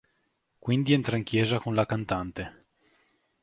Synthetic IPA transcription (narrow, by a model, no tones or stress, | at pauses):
kwind̪iɛnt̪ɾaiŋkjɛːzakonlakant̪ant̪e